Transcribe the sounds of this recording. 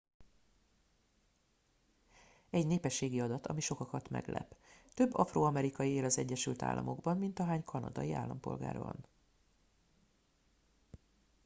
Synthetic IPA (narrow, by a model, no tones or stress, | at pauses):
ɛɟneːpɛʃːeːɡiɒd̪ɒt̪ɒmiʃo̞kɒkɒt̪mɛ̰ɡlʔɛ̰pt̪ø̞bːɒfroːɒmɛɾikɒjieːlɒzɛɟːɛʃylt̪a̰ːlːʔɒ̰mʔo̞ɡbɒnmint̪ɒɦaːɲkʰɒnɒ̰d̪ɒ̰jia̰ːlːɒmpo̞̰lɡa̰ːrbɒ̰n